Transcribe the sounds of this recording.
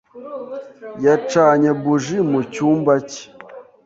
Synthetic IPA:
jat͡ʃaɲabuʒimut͡ʃumbat͡ʃ

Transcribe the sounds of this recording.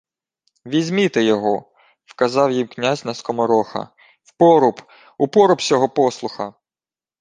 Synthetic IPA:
ʋʲizʲmʲit̪ejɔɦɔ | wkɐzɑwjimknʲazʲnɐskɔmɔɾɔxɐ̰ | wpɔɾʊp | upɔɾʊpsʲɔɦɔpɔslˠʊxɐ

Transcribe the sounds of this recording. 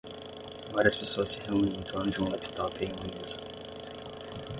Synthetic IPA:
vaɾiɐspesoɐsːɪheũnĩĩt̪ɐ̃nʊd͡ʒɪũlɛpi̥t̪ɔpẽj̃ũũnuzʊ

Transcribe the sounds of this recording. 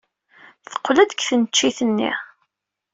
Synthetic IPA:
θə̥qːlæd̪ə̥kθənt͡ʃːiθənːḭ

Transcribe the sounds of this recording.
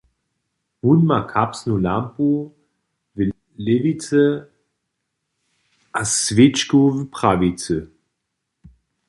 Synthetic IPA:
munmakʰapsnulampu | və | levit͡sə | ʔasvɪt͡ʃkuvəpχavit͡sə

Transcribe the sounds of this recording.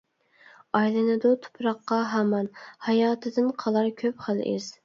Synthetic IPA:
ɑjlˠɨnɨd̪ut̪ʰʊ̥pɾɑqːɑɦæmɑnhɑjɑːt̪ʰɨd̪ɨnqʰɑlˠɑɾkʲʰøpχælʔɪ̰z̥

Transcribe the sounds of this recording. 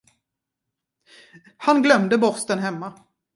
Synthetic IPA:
hanɡlœmd̪əbɔɾst̪ənɦɛmːa

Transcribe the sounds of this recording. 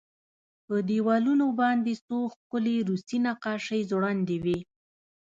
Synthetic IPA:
pəd̪ewɑlunobɑnd̪esoxkʊleɾusinaqɑʃəjzɽɑnd̪ewi

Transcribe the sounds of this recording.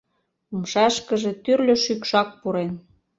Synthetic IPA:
umʃɑʃkə̆ʒĕt̪yrlʲø̆ʃykʃɑk̚puɾen

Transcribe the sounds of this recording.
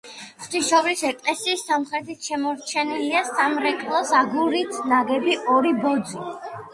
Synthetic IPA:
χt̪ʰiʃɔvɾisɛkʼlɛsiːsːamχɾɛt̪ʰit̪ʰʃɛmɔɾt͡ʃʰɛniliasamɾɛkʼlˠɔsaɡuɾit̪ʰnaɡɛbiʔɔɾibɔd̪zi

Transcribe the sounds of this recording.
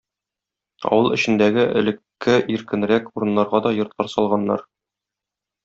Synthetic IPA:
ɒ̰wɤlˠɘ̆ɕɘ̆nd̪æɡɘʔɘ̆lɘ̆kːɘʔiɾkɘ̆nɾækuɾɤ̆nːɑɾʁɑd̪ɒjŏɾt̪lqˠɑɾsɒlˠʁɑnːɑ̰ɾ

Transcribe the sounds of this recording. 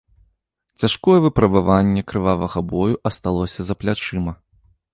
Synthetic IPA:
t͡sʲaʂkɔjɛvɨpɾɐbavanʲːɛkɾɨvavɐɣɐbɔjuʔɐst̪alˠɔsʲɐzɐplʲat͡ʂɨmɐ

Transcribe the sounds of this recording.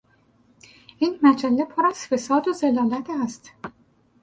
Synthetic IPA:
ʔiːnmæd͡ʒælːepʰoɾæz̥fe̞sɒːd̪ozelɒːlæt̪ʰæst̪

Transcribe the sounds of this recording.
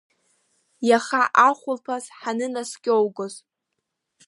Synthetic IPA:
jaχaʔaχʷʊlpʰazħanɨnaskʲʼowɡoz

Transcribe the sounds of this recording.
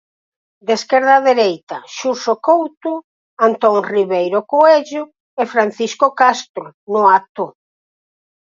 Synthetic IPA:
d̪eskɛɾðaðeɾejt̪aʃusokowt̪ʊ | ant̪ɔŋriβejɾokoɛʎʊ | efɾan̟θiskokast̪ɾʊnʊat̪ʊ

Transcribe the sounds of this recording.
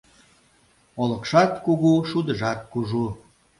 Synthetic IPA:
olə̆kʃɑt̪kuɣuʃud̪əʒɑt̪̚kuʒu

